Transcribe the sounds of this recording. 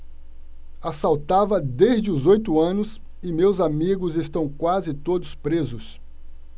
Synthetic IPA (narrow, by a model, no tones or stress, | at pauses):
asawt̪avɐd̪ezd͡ʒɪʊzojt̪ʊɐ̃nʊs | ɪmewzamiɡʊzest̪ɐ̃w̃kwazɪt̪od̪ʊspɾezʊs